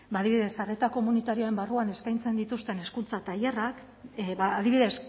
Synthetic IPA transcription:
baːðiβiðe̞sare̞t̪ako̞munit̪aɾioe̞mbaruane̞skajnt͡se̞nd̪it̪ust̪e̞ne̞skunt͡sat̪ajerak | βaːðiβiðe̞s

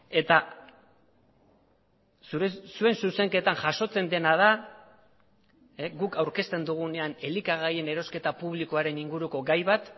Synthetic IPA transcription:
e̞t̪a | suɾesue̞nsuse̞ŋke̞t̪aŋʝaʃo̞t͡se̞nd̪e̞nað̞a | eɡukawɾke̞st̪e̞nd̪uɣ̞une̞ane̞likaɣ̞aje̞ne̞ɾo̞ske̞t̪apuβ̞liko̞aɾe̞niŋɡuɾuko̞ɡajβat̪

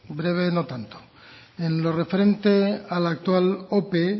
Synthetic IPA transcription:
bɾe̞β̞e̞no̞t̪ant̪o̥ | enlo̞re̞fe̞ɾe̞nt̪ealak̚t̪walope

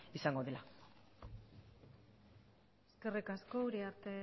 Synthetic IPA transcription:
isaŋɡo̞ðela | eske̞rikasko̞uɾiaɾt̪e̞

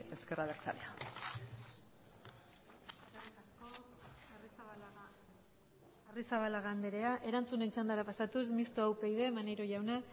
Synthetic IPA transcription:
e̞ske̞raβeɾt͡sa̰lḛa | eskarit̪asko̞ | arisaβalaɣand̪e̞ɾe̞aʔe̞ɾant͡sune̞nt͡ʃand̪aɾapasat̪us̬mist̪oawpejðe̞manejɾo̞ʝawna

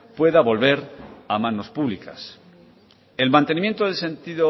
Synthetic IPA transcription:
pwe̞ðaβo̞lβe̞ɾamãno̞spuβlika̰s | e̞lmant̪e̞nimje̞nt̪oðelse̞nt̪iðo

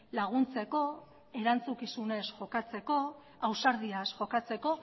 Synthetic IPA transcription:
laɣ̞unt͡se̞ko̞ | e̞ɾant͡sukisune̞sʝo̞kat͡se̞ko̞ | awsaɾð̞iasʝo̞kat͡se̞ko̞

